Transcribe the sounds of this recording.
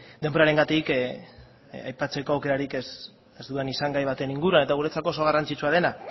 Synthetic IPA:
d̪e̞mbo̞ɾaɾe̞ŋɡat̪ik | ajpat͡se̞ko̞awke̞ɾaɾikes | ezd̪ue̞nisaŋɡajβ̞at̪e̞niŋɡuɾuane̞t̪aɣuɾe̞t͡sako̞ːso̞ɣ̞arant͡sit͡ʃuað̞e̞na

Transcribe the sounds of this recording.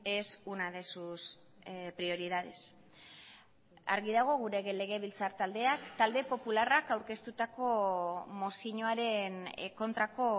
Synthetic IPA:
e̞sunaðe̞sus | pɾio̞ɾið̞aðes | a̰ɾɣiðaɣ̞o̞ɣ̞uɾe̞ɣe̞le̞ɣ̞e̞β̞ilt͡saɾt̪ald̪e̞akt̪ald̪e̞po̞pularakawɾke̞st̪ut̪ako̞mosiɲoaɾe̞nko̞nt̪ɾako̞

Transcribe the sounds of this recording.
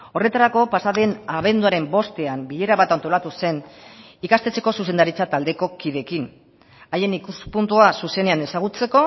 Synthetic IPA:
o̞re̞t̪aɾako̞pasaðe̞naβ̞e̞nd̪uaɾe̞mbo̞st̪e̞ambiʎe̞ɾaβat̪ant̪o̞lat̪use̞n | ikast̪e̞t͡se̞ko̞suse̞nd̪aɾit͡sat̪ald̪e̞ko̞kiðe̞kin | aje̞nikuspunt̪uasuse̞ne̞ane̞saɣ̞ut͡se̞ko̞

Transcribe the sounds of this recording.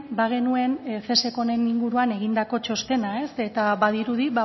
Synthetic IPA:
baɣ̞e̞nue̞nfe̞se̞ko̞ne̞niŋɡuɾuane̞ɣ̞ind̪ako̞t͡ʃo̞st̪e̞nae̞se̞t̪aβaðiɾuðiβa

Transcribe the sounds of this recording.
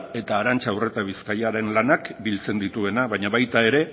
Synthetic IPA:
e̞t̪aːɾant͡ʃawre̞t̪aβ̞iskajaɾe̞nlanakbilt͡se̞nd̪it̪ue̞naβaɲaβajt̪ae̞ɾe̞

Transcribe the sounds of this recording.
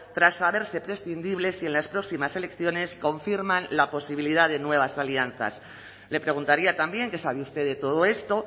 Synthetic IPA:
t̪ɾasːaβ̞e̞ɾse̞pɾe̞sθind̪iβ̞le̞sie̞nlaspɾo̞ksimase̞le̞kθjo̞ne̞sko̞ɱfiɾmãnlapo̞siβiliðaðe̞nwe̞β̞asalian̟θa̰s | le̞pɾe̞ɣ̞unt̪aɾiat̪ambje̞ŋke̞saβeust̪e̞ðe̞t̪o̞ð̞o̞e̞st̪o̞

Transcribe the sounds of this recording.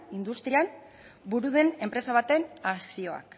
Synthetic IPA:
ind̪ust̪ɾiam | buɾuðe̞ne̞mpɾe̞saβ̞at̪e̞nasio̞a̰k

